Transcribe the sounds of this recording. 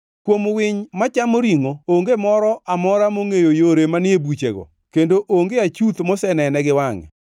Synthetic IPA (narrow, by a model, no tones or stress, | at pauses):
kwomwɪɲmat͡ʃamoɾiŋooŋɡemɔɾɔʔamɔɾamoŋejojoɾemanɪebut͡ʃḛɡɔ̰ | kendoʔoŋɡeat͡ʃut̪mosɛnɛnɛɡɪwaŋɛ̰